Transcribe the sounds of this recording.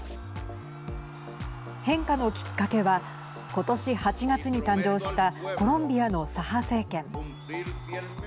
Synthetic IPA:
hẽ̞ŋkano̞kʲi̥kːake̞βa | ko̞t̪o̞ɕihat͡ɕiɡat͡sɨɲ̟it̪ãɲ̟d͡ʑo̞ːɕi̥t̪ako̞ɾõ̞mbʲiano̞sahase̞ːkẽ̞ŋ

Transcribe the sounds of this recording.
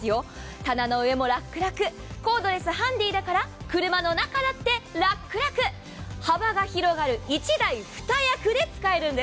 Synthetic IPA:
ɨjo̞t̪anano̞ɯ̟e̞mo̞ɾakːɯ̟ɾakɯ̟ko̞ːd̪o̞ɾe̞sɨɦãnd̪iːd̪akaɾakɯ̟ɾɯ̟mano̞nakad̪at̪ːe̞ɾakːɯ̟ɾakɯ̟ | habaɡaçiɾo̞ɡaɾɯ̟it͡ɕid̪aiɸɯ̟̥t̪ajakɯ̟d̪e̞t͡sɨ̥kae̞ɾɯ̟̃nd̪e

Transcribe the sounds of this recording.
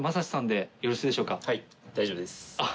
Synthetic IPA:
masaɕi̥sãnd̪e̞joɾoɕiːd̪e̞ɕo̞ːkahai | d̪ajd͡ʑebd̪esa

